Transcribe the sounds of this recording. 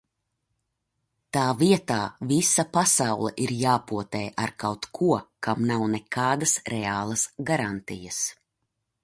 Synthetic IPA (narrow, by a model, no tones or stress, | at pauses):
t̪aːviɛt̪aːvisɐpasawlˠɛ̰ʔiɾjaːpuɔt̪ɛːʔaɾkawt̪kʰuɔkamnawnɛkʰaːd̪ɐsɾɛaːlˠɐsɡaɾant̪ijɐs